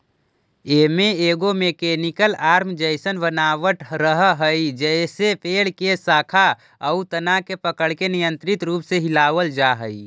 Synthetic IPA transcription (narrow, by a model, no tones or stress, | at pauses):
emeeːɡomekenikəlaːɾmd͡ʒəɪsənbənaːʋəʈɾəɦɦəid͡ʒəɪsepʰeːɽkesaːkʰa | əut̪ənakepəkəɽkenijə̃nt̪ɾit̪ɾuːpseɦilaːʋəld͡ʒaɦəi